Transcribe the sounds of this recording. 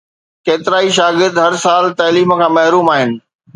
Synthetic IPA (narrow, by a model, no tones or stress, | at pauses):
keːt̪ɪɾaːiʃaːɡɪɾd̪ɦɐɾsaːlt̪ɐːliːm̆kʰãːmɐɦɾuːmaːɦɪnɪ̆